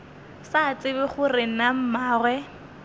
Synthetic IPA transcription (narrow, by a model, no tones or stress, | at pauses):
sat͡sɪβɪχʊrɪnam̩maːrwɛ